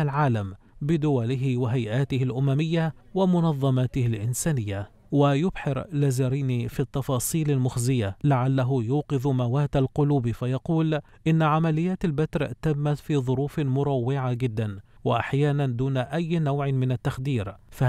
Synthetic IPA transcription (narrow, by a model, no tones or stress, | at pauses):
alʕaːlam | bɪd̪ʊwalɪɦɪwɪɦajʔaːt̪ɪhɪlʔʊmamɪjːawɪmʊnɑðˤːɑmaːt̪ɪhɪlʔɪnsaːnɪjːa | wajʊbħɪɾlazaɾiːnifit̪ːɑfɑːsˤiːlalmʊxzɪjalaʕalːaɦʊjuːqɨðmawaːt̪alqʊluːbfajɑquːl | ʔɪnːaʕamalɪjːaːt̪albat̪ɾt̪amːat̪fiːðˤʊɾuːfmʊɾˤɑwːɪʕaɡɪd̪ːanwɪʔaħjaːnand̪uːnaʔajːnawʕɪmɪnat̪ːaxd̪iːɾfa